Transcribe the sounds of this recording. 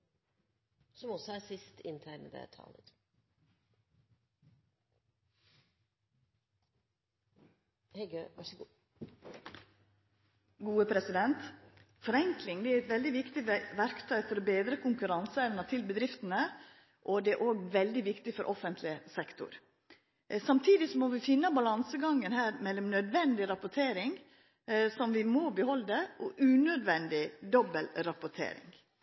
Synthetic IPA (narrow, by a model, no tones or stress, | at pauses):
sɔmɔsɔæsɪst̪ɪ̰nt̪ʰæːɳəd̪ḛt̪ʰɑ̰ːlət̪ | hɛɡøʋɑʂəɡ | ɡuːəpʰɾɛsɪd̪ɛnt̪ | fɔɾɛŋklɪŋd̪ɛːæɾɛt̪ʋɛld̪ɪʋɪkt̪ɪʋæɾkt̪ʰœʏfɔɾɔbeːd̪ɾəkʰʊŋkʉɾɑnsəɛʋnət̪ʰɪlbəd̪ɾɪft̪ənə | ʔɔd̪ɛæʔoːɡʋɛld̪ɪʋɪkt̪ɪfɔɾʔɔfənt̪ʰlɪəsɛkt̪ʊ̰ɾ | sɑmt̪ʰiːd̪ɪsɔmɔʋɪfɪnːəbɑlɑnsəɡɑŋːənhæːɾmɛlːɔmnœd̪ʋɛnd̪ɪɾɑpʊʈʰeːɾɪŋ | sɔmʋɪmobəhɔld̪əʔɔʔʉːnœd̪ʋɛnd̪ɪd̪ɔbəlɾɑpʊʈʰḛːɾɪ̰ŋ